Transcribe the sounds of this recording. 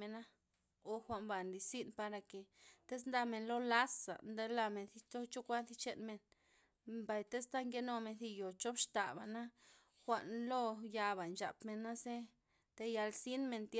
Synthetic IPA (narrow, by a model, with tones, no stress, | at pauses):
e˧na˦ | o˧xʷa˧ʔmba˨nli˧si˦npa˧ɾa˧ke˨t̪e˦s̬nd̪a˧me˧nlo˦la˦sa̰˨nd̪e˦la˧me˧˨nθi˧t̪o˦t͡ʃo˦kʷa˦nθi˧˦t͡ʃe˧nme˧n | mba˨jt̪e˦st̪a˦ŋɡe˦no˧me˧θi˧jo˨t͡ʃo˦pʂt̪a˨ba̰˨na˦ | xʷa˧ʔnlo˦ja˧βa˨nt͡ʃa̰˨pme˧nːa˦se˦ | t̪e˧ja˧lsi˦nme˧nt̪j